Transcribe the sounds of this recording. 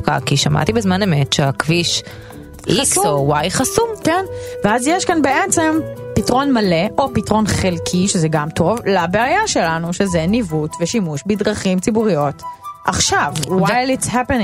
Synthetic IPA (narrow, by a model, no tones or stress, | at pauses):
ka̰kiʃama̰tibezmanemetʃeakviʃ | ʔχiakowajχasumkenveazjeʃkanbeʔemt͡sempitʁo̞nmaleʔo̞pitʁo̞nχelkʰiʃezɛɡamto̞vlabeajaʃe̞lanuʃezenivutveʃimuʃbidʁɐχimt͡sibuʁijo̞tʔa̰χʃavwajlitshapeñ